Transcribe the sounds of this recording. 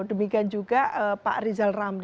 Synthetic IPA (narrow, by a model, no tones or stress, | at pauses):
dəmikiand͡ʒuɡaəpa̰ʔrizalramd